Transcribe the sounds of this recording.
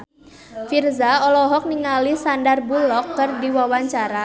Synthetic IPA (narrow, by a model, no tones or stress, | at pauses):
firzaɔlɔɦɔk̚niŋalisandarbulɔkːɨrdiwawaɲt͡ʃaɾa